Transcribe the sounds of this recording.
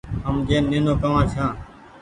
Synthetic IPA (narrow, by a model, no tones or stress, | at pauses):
ɦəmd͡ʒeːnẽːnõːkəʋãːsʰãː